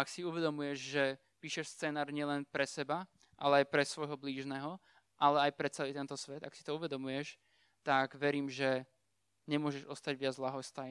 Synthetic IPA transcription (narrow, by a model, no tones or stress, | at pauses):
aksiuʋɛd̪ɔmujɛʒʒɛ | piːʃɛʃst͡sɛːnaːɾɲɪɛlɛnpɾɛsɛba | ʔa̰lɛajpɾɛsʋɔjɦɔbliːʒnɛːɦɔ | ʔalɛajpɾɛt͡sɛliːt̪ɛnt̪ɔsʋɛd̪aksi̥t̪ɔuʋɛd̪ɔmujɛʃ | t̪aɡʋɛɾiːmʒɛ | ɲɛmʊɔʒɛʒɔst̪aɟʋɪad͡zlaɦɔst̪a